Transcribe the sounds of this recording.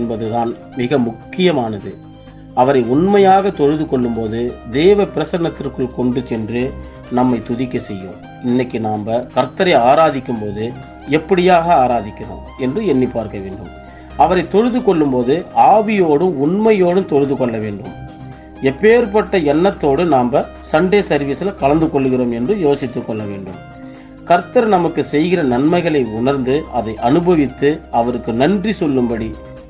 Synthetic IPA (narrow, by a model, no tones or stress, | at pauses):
nbɐðɯðaːn | mɪɣɐmʊkːɪjɐmaːnɐðɯ | ɐʋɐɾɐɪʊɳmɐjaːɣɐt̪ɔɻɯðɯkɔɭːɯmpoːðɯd̪eːʋɐpɪɾɐsɐnɐt̪ːɪrkɯlkɔɳɖɯt͡ʃɛndrɯ | nɐmːɐɪt̪ʊðɪkːɐsɛjːõ̰ː | ɪnːɐkːɯnaːmbɐkɐɾt̪ːɐɾɐɪaːɾaːðɪkːɯmpoːðɯ | ɛpːɐɽɪjaːɣɐaːɾaːðɪkːɪrõ̰ː | ɛndrɯɛnːipːaːɾkɐʋḛːɳɖɯm | ɐʋɐɾɐɪt̪ːɔɻɯðɯkɔɭːɯmpoːðɯaːʋɪjoːɽɯmʊnmɐjoːɽɯmt̪ɔɻɯðɯkɔɭːɐʋeːɳɖɯm | ɛpːeːɾpɐʈːɐɛnːɐt̪ːoːɽɯnaːmbɐ | sɐɳɖeːsɐɾʋɪsɪlɐkɐlɐnd̪ɯkɔɭːɯɣɪroːmɛndrɯjoːsɪt̪ːɯkːɔɭːɐʋḛːɳɖɯ̰m | kɐɾt̪ːɐɾnɐmɐkːɯsɛjɣɪrɐnɐnmɐɪɣɐɭɐɪʊnɐɾnd̪ɯʔɐðɐɪʔɐnɯbɐʋɪt̪ːɯɐʋɐɾɯkːɯnɐndrisɔlːɯmbɐɽi